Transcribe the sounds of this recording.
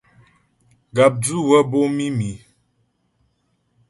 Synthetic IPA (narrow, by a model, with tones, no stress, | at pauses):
ɡa˨p̚du˦˨wə˦bo˦mi˦mi˨